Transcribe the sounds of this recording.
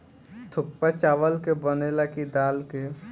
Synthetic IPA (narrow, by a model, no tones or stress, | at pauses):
t̪ʰʊk̚pat͡ʃaːʋəlkebənelakid̪aːlke